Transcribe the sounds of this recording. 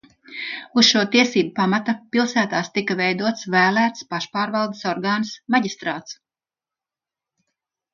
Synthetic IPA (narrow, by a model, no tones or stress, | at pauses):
usʃuɔt̪iɛsiːbupamat̪ɐpilˠsæːt̪aːst̪ikavɛjd̪uɔt̪svæːlæːt̪spaʃpaːɾvɑlˠd̪esɔɾɡaːnsmaɟist̪ɾaːt̪s